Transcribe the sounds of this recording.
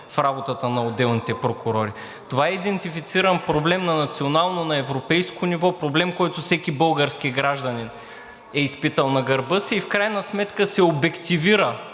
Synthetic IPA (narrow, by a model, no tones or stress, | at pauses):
fɾabot̪ət̪ənɐod̪ːɛlˠnit̪ɛpɾokʊɾɔɾi | t̪ovaɛid̪ɛnt̪ifit̪siɾənpɾoblɛmnɐnɐt̪sionalˠnonɐɛvɾopɛjskonivɔpɾoblɛmkɔjt̪ofsɛkibɤlˠɡəɾsk̟iɡɾaʒd̪ɐnin | ɛispit̪əlˠnɐɡɐɾbɤsiːfkɾajnɐsmɛt̪kəsɛobɛkt̪iviɾə